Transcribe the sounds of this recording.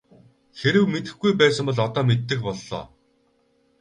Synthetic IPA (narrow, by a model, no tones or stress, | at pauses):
xeɾɘ̆wmet̪ɘ̆xɡujpæːsə̆mpɔɮɔt̪ɔːmet̪ːɘ̆x̚pɔɮːɔ̰ː